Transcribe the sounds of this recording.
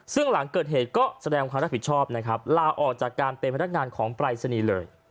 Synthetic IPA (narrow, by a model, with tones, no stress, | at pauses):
sɯ˥˩ŋla˩˦ŋkɤː˨˩t̪̚ɦeː˨˩t̪̚kɔː˥˩sa˧dɛː˧ŋkʰaː˧mɾa˦˥pi˩t̚t͡ɕʰɔː˥˩p̚na˦˥kʰɾa˦˥p̚laː˧ʔɔː˨˩k̚t͡ɕaː˨˩kːaː˧npe˧npʰn˦˥k̚ŋaː˧nkʰɔː˩˦ŋpɾaː˧jsa˧niː˧lɤː˧j